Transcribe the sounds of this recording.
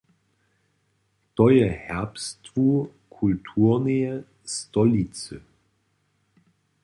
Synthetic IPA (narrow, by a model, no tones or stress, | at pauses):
t̪ɔjɛhɛʁpstvu | kʰultʰuːʁnejɛ | stɔlit͡sə̰